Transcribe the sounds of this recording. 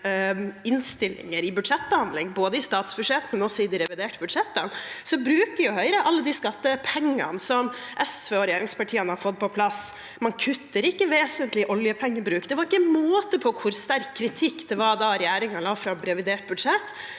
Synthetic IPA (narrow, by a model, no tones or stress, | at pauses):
ɪnst̪ɪlɪ̰ŋəɾɪbʉd̪ʂɛt̪ːbəhɑnd̪lɪŋboːd̪əɪst̪ɑːt̪sbʉd̪ʂɛt̪mɛnɔsɔɪd̪ɪɾɛʋɪd̪eːʈəbʉd̪ʂɛt̪ːənsɔbɾʉːkəɾjʊhœʏɾəʔɑlːəd̪iskɑt̪ːəpʰɛŋːə̰nsɔmʔɛsʋeɔɾɛjæːɾɪŋspʰɑʈʰiːənəhɑɾfɔt̪̚ːpʰɔpʰlɑs | mɑnkʰʉt̪ːəɾɪkːəʋeːsənt̪lɪʔɔljəpʰɛŋːəbɾʉːkd̪ɛʋɑɾɪkːənmoːt̪əpʰɔkʰʊɾst̪æɾkʰːɾɪt̪ʰɪkːd̪̥ɛʋɑd̪ɑɾɛjæːɾɪŋɑlɑːfɾɑɾɛʋɪd̪eːʈ̚bʉd̪ʂɛt̪ː